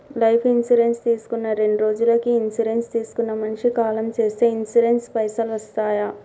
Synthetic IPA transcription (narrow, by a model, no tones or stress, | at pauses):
lɐjpʰinsiɾe̞nst̪iːsu̥kunːɐɾe̞ɳɖuɾo̞ːd͡ʒulɐkiːnsiɾe̞nst̪iːsu̥kunːɐmɐnʂikaːlɐmt͡ʃe̞ːst̪e̞ːinsiɖe̞nspɐjsɐlʋɐst̪aːjɐ